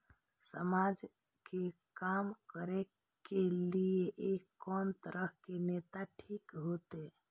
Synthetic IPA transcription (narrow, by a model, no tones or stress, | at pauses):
səmad͡ʒ | kekamkəɾe | kelieʔekːɔnt̪əɾəɦkenet̪aʈʰikɦot̪e